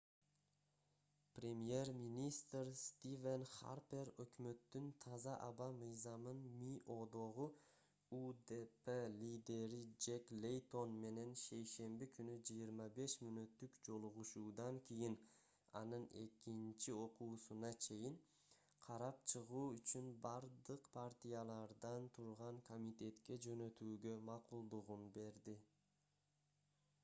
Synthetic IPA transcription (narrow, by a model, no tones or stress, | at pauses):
prʲe̞mje̞ɾminʲist̪rst̪ivenχa̰ɾpe̞ɾøkʲmø̞t̪ːynt̪ʰɑzɑʔɑbɑmɯjzɑmɯnmiʔo̞d̪o̞ʁu | ud̪epelʲid̪e̞ɾid͡ʒeklʲejt̪o̞nme̞ne̞nʃe̞jʃe̞mbikʰynyd͡ʒɯjiɾmɑbe̞ʃmynøt̪ːykd͡ʒo̞lˠuʁuʃuːd̪ɑŋkʲijin | ɑ̰nɯne̞̰kint͡ʃio̞quːsunɑt͡ʃʰe̞jiŋ | qʰɑɾɑp̚t͡ʃʰɯʁuːyt͡ʃynbɑɾd̪ɯqpʰaɾt̪ʲijalˠɑɾd̪ɑnt̪ʰuɾʁɑŋkʰo̞mʲit̪ʲe̞t̪ke̞d͡ʒø̞nø̞t̪yːɡø̞mɑqulˠd̪uʁunbe̞ɾd̪i